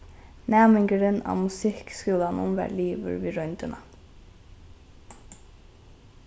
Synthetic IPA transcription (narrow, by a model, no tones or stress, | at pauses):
næːmɪŋkəɾəna̰ːmʊsɪhkskʉːlanʊ̰mʋɛ̰ːliːʋə̰ɾʋiːɾœnt̪əna